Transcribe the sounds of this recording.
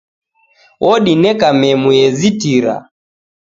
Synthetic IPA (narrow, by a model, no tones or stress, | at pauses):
wʔɔɗinɛkamɛmujɛzitiɾa̰